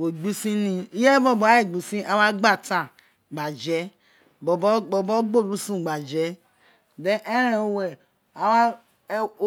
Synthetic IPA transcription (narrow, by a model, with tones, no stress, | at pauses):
wo˨ɡ͡bi˦sĩ˦nĩ˧i˦jɛ˦bɔ˦bɔ˨a˦e˦˨ɡ͡bi˨sĩ˦ʔa˦wa˦ɡ͡ba˦˨ta˨ | ɡ͡ba˨d͡ʒɛ˨˦ | bɔ˨bɔ˦ɡ͡bɔ˨bɔ˦ɡ͡bo˦˨ɾu˦sũ˦˨ɡ͡ba˨d͡ʒɛ˨˦ | dɛ̃˦ʔɛ˦ɾɛ̃˨o˨wɛ˨ | a˨wa˦